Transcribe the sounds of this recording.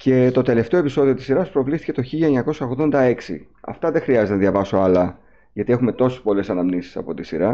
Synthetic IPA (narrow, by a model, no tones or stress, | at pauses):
ce̞t̪o̞t̪e̞le̞ft̪e̞oe̞piso̞ðio̞t̪i̥siɾɐspɾo̞vlisθice̞t̪o̞çiʎɐeɲɐko̞sɐoɣðo̞nd̪ɐe̞ksḭ | ɐ̰ft̪ɐðe̞xɾiɐzet̪enɐðʝɐvɐso̞ɐlɐ | ʝɐt̪ie̞xume̞t̪o̞sespo̞le̞sɐnɐmnisi̥sɐ̰po̞t̪isiɾɐ